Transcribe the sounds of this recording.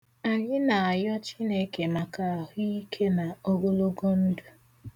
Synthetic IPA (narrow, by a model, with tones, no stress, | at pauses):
a˨ɲɪ˦na˨a˨jɔ˦t͡ʃi˦ne˨˦ke˨ma˨ka˦a˨ɦʊ˦i˦kʰe˦na˨o˦ɡo˦lo˦ɡo˦n̩˦du˨